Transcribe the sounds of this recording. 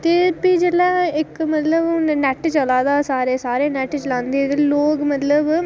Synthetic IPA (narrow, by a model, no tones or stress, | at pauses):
t̪eːpiːd͡ʒəlɛːɪkmət̪ləbnɛʈt͡ʃəlaːd̪aːsaːɾeːsaːɾeːnɛːʈt͡ʃəlãːnd̪et̪eloːkmət̪ləb